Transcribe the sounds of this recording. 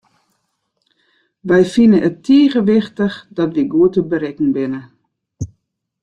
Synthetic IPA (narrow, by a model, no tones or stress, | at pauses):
ʋɛjfinəʔətʰːiːɣəʋɪxtəxdɔtʋiɡuətəbəɾɛkn̩bɪnə